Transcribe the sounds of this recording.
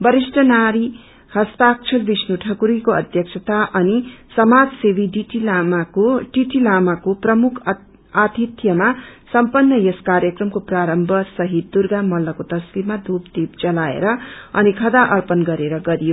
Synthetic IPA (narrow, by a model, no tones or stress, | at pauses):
bʌɾisʈʌnaɾi | hʌst̪ak̚t͡ʃʰʌlbisnuʈʰʌkuɾikoʌd̪ʱjʌk̚t͡ʃʰʌt̪aʔʌnisʌmad͡zsebiɖiʈilamaoʈiʈilamakoprʌmukʰ | at̪it̪jʌmasʌmpʌnːʌjeskarjʌkrʌmkopraɾʌmbʱʌsʌɦit̪̚d̪urɡamʌlːʌkot̪ʌskiɾmad̪upd̪ip̚d͡zʌlaḛɾʌʌnikʰʌd̪aʔʌrpʌnɡʌɾeɾʌɡʌɾijo